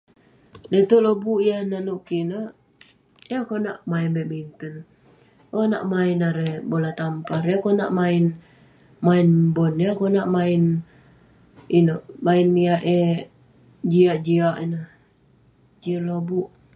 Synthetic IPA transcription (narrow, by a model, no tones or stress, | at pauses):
det̪ulobuʔjahnanuʔkinə | jakonaʔmainbɛmint̪ən | ona̰ʔmainaɾɛbolat̪ampaɾjakona̰ʔmain | mainbɔnjakonaʔmain | inəmainːiaʔe | d͡ʒiaʔd͡ʒiaʔinə | d͡ʒiəlobuʔ